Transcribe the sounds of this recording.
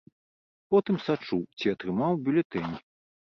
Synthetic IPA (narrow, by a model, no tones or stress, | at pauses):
pɔt̪ɨmsat͡ʂuwt͡sʲiɐt̪ɾɨmawbʲulʲɛt̪ɛnʲi